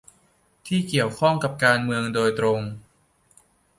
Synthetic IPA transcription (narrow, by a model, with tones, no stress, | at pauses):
t̪ʰiː˥˩ki˨˩əwkʰɔ˥˩ŋka˨˩p̚kaː˧nmɯ˧əŋdoː˧jt̪ɾo˧ŋ